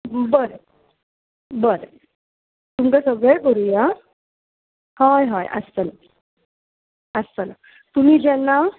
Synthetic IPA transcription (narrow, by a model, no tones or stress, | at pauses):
bəɾə | bəɾə | t̪umkasəɡɭɛjkəɾuja | hajɦajə̰st̪əla | əst̪əla | t̪um̤id͡ʑɛnːa